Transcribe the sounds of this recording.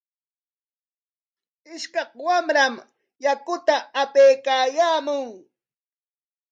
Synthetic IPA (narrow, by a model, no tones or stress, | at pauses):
ɪʃkɑqwamɾam | jakʊt̪aːpejkaːjaːmʊŋ